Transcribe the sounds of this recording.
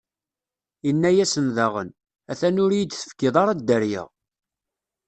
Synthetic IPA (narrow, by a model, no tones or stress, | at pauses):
inːæjæsənðæʁə̰n | æθænʊɾjid̪θə̥fkːɪðˤɑɾˤɑd̪ːəɾjə̰ʁ